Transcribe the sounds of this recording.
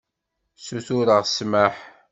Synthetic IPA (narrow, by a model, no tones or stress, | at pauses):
suθuɾəʁsmaħ